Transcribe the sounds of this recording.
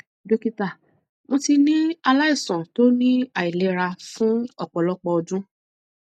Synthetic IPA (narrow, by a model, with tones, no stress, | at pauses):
do˧ki˧ta˨ | mõ˧ti˧nĩ˦a˧la˦i˦˨sɔ̃˨to˦nĩ˦a˨i˨le˨˦ɾa˧fũ˦ɔ˦˨k͡pɔ˨lɔ˦k͡pɔ˧ɔ˧d͡ʒũ˦